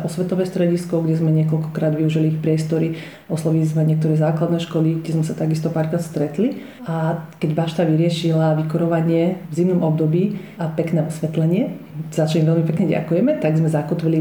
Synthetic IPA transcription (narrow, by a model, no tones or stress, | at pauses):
ʔɔsʋɛt̪ɔʋɛːst̪ɾɛɟiskɔɡɟɛzmɛɲɪɛkɔlkɔkɾaːd̪ʋiuʒiliixpɾɪɛst̪ɔɾi | ɔslɔʋilizmɛɲɪɛk̚t̪ɔɾɛːzaːklad̪nɛːʃkɔliɡɟɛzmɛsat̪aɡist̪ɔpaːɾkɾaːt̪st̪ɾɛt̪li | akɛɟʋaʃt̪aʋiɾɪɛʃilaʋikɔɾɔʋaɲɪɛvzimnɔmɔb̚d̪ɔbiː | ʔapɛknɛːɔsʋɛt̪lɛɲɪɛ | z̥at͡ʃalimʋɛlmipɛkɲɛɟa̰kujɛmɛt̪aɡzmɛzakɔt̪ʋili